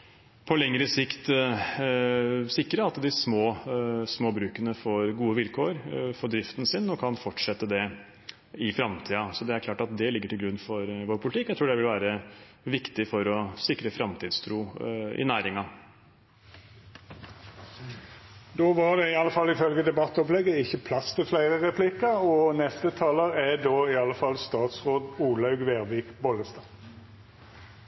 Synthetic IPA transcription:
pʰɔlɛŋːɾəsɪkt̪ | sɪkːɾəɑt̪d̪ɪsmoːsmoːbɾʉːkənəfoːɾɡuːəʋɪlkʰoːɾfɔɖ̪ɾɪft̪ənsɪnːɔkʰɑnfɔʈʂɛt̪ːəd̪ɛ | ɪfɾɑmt̪ʰiːɑsɔd̪ɛæɾkʰlɑːʈɑt̪d̪ɛlɪɡːəʈʰɪlɡɾʉnːfɔɾʋoːɾpʰʊlɪt̪ʰɪkːɔɛt̪ɾuːɖɛʋɪlʋæːɾə | ʋɪkt̪ɪfɔɾɔsɪkɾəfɾɑmt̪ʰiːd̪st̪ʰɾuːɪ̰næːɾɪŋɑ | d̪oːʋɑɖɛɪɑlːəfɑlːɪfœlɡəd̪ɛbɑt̪ːɔplɛɡːəɪçːəpʰlɑst̪ʰɪlflæɪɾəʁɛpʰlɪkəɔnɛst̪ət̪ʰɑːləɾæɖ̪oːɪɑləfɑlst̪ɑːt̪sʁoːd̪uːlɑʉɡʋeːʁʋiːkbɔləst̪ɑː

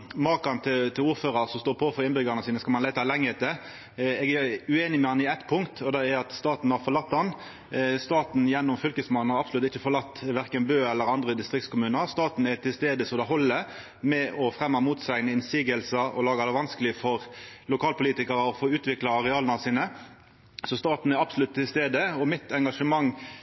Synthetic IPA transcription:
mɑːkɑnt̪ʰɪt̪ʰɪluːɾføːʁɑʁsɔmst̪oːpʰoːfɔʁɪnbʏɡɑnəsiːnəskɑlmɑnlæɪt̪ɑlɛŋːəət̪ə | ɛːɡæʉeːnɪmɛɑnːəɪæt̪ːpʰʊŋkt̪ʰɔd̪ɛɛɑt̪st̪ɑːt̪n̩hɑɾfɔɾlɑt̪ːdɑn | st̪ɑːt̪n̩jɛnːɔmfʏlkəsmɑnn̩hɑɾɑpsʊlʉt̪ɪçəfɔɾlɑt̪ːʋæʁkənbøːɛlːəɾɑnd̪ʁəd̪ɪst̪ʁɪk̚t̪skʰʊmʉːnəɾst̪ɑːt̪n̩ɛt̪ʰɪlst̪eːd̪əsɔmd̪ɑːɦɔlːə | mɛʔɔfʁɛmːɑmuːt̪sæɪnəɪnsiːɡəlsəɔ̰lɑːɡɑd̪ɛʋɑnskəlɪfɔʁlʊkʰɑːlpʊliːt̪ɪkəɾəɔfoːʉːt̪ʋɪklɑɑʁɛɑːlənɑsiːnə | sɔst̪ɑːt̪n̩ɛɾɑbsʊlʉt̪ʰːɪlst̪eːd̪əɔmɪt̪ʰɛŋɡɑʂəmɑŋː

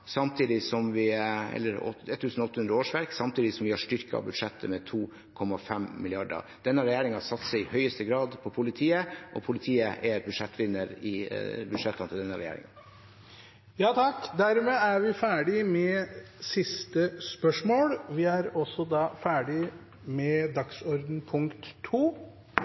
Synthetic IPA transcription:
sɑmt̪ʰiːd̪ɪsɔmʋɪɛ̰lːəɾɔ̰ɛt̪ʰːʉːsn̩ɔɔt̪ːəhʉnd̪ɾəoːʂʋæɾksɑmt̪ʰiːd̪ɪsɔmʋɪhɑʂʈʏɾkəɑ̰bʉd̪ʂɛt̪ʰːəmɛt̪ʰuː | kʰɔmːɑfɛmmɪlɪɑɖə̰d̪̥ɛnːəɾɛjeːɾɪŋɑsɑt̪ːsɛɪhœʏəst̪əɡɾɑːd̪pʰɔpʰʊlɪt̪ʰiːəʔɔpʰʊlɪt̪ʰiːəʔɛɾbʉd̪ʂɛt̪ːʋɪnːəɾɪbʉd̪ʂɛt̪ːɑnt̪ʰɪld̪ɛnːəɾɛ̰jḛːɾɪ̰ŋɑ | jɑːt̪ʰɑkd̪æɾmeːæɾʋɪfæːɖɪmɛsɪst̪əspœʂmoːlʋɪæɾɔsɔd̪ɑːfæːɖɪ | mɛd̪ɑksɔɾd̪n̩pʰʊŋkt̪ʰːuː

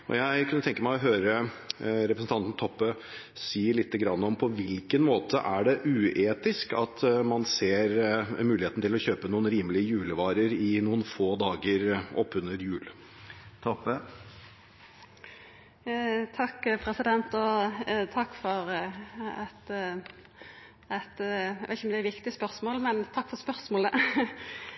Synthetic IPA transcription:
ɔ̰jæɪkʰʉnət̪ɛŋkəmæɪɔɦøːɾəɾɛpɾəsn̩t̪ʰɑnt̪n̩t̪ʰɔpːə | siːəɭɪt̪ːəɡɾɑnːəɔmpʰɔʋɪlkənmoːt̪ʰəʔæɖɛʔʉːeːt̪ɪskɑt̪mɑnseːɾmʉːlɪheːt̪nt̪ɪlɔçøːpənuːənɾiːməlɪəjʉːləʋɑːɾəɾɪnuːənfoːd̪ɑːɡəɾʔɔpːʉnəɾjʉːl | t̪ʰɔpːə | t̪ʰɑkːpʰɾɛsɪd̪ɛnt̪ɔt̪ʰɑkːfɔɾ | ɛt̪ | ɛt̪ʋæɪt̪çɔmd̪ɛæɾʋɪkt̪ɪəspœɾsmoːlmɛnt̪ʰɑkːfɔspœɾsmoːlə

